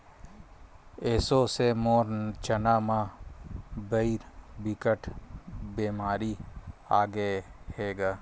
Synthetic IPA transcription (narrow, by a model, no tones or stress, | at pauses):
eːsosemoːɾt͡ʃənaːma | bəiɾbɪkəʈʰbeːmaːɾiaːɡeheːɡaː